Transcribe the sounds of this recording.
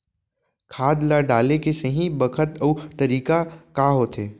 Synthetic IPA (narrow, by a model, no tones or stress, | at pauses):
kʰaːd̪laɖaːlekesɐɦĩbɐkʰət̪əuːɐɾiːkakaːɦoːt̪eː